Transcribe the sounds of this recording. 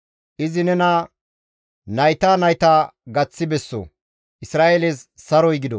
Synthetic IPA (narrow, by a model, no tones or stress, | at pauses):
ʔɪzɪnɛnɐ | nɐjt̪aːnɐjt̪aːɡɐt͡sːɪbɛsːo̰ | ʔɪsɾaːʔeleːssɐɾɔjɡɪd̪ɔ